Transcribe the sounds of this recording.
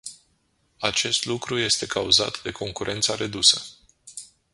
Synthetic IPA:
at͡ʃe̞st̪lukɾuje̞st̪e̞kauza̰t̪d̪e̞kʰo̞ŋkuɾʔe̞nt̪saɾe̞d̪usə

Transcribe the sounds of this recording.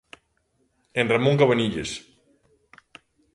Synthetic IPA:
enramõŋkaβaniʎes

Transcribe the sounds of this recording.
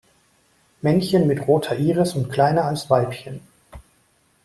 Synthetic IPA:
mɛnçənmɪtʁoːtʰɐʔiːʁəsʊntkl̥aɪnɐalsv̥aɪpçən

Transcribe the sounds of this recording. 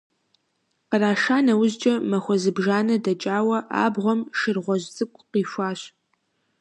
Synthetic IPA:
qəraːʂaːnɐwʊzd͡ʒʼɐmɐxʷɔzɨbʒaːnɐdɐt͡ʃʼaːwɐʔa̰ːbʁʷɔmʃɨrʁʷɔʑt͡sʼɨkʷʼqiːʃʷaːɕ

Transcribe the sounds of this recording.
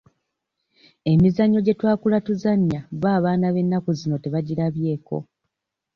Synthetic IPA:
e̞mizaɲːo̞ɟe̞twaːkulatuzaɲːaβaːβaːnaβe̞nːakuzino̞te̞βaɟiɾaβje̞ːko̞̰

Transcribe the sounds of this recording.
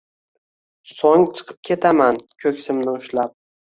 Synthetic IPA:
sɒŋt͡ʃʰɨ̥qʰɨ̥p̚kʲʰe̞t̪ʰamankʲʰɵkʲsɪmnɪʊʃlap̚

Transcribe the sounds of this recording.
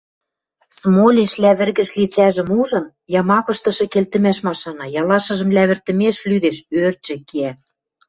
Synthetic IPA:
smolʲinʃlæβɘ̆rɣɘ̆ʃlit͡sæʒɘ̆muʒɤ̆n | jɑmɑkɤ̆ʃt̪ɤ̆ʃɤ̆kelt̪ɘ̆mæʃmɑʃɑnɑjɑlɑʃɤ̆ʒɤ̆mlæβɘ̆rt̪ə̆meʃlyd̪eʃørt͡ɕɘ̆keæ

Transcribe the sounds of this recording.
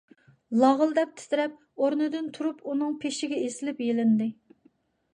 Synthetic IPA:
lˠɑʁəlˠd̪ɛp̚t̪ʰɪ̥t̪ɪɾɛp̚ | oɾnɨd̪ɨnt̪ʰuɾupunɨŋpʰeʃɪɡʲɛesɪlɪpjelɪnd̪ɪ

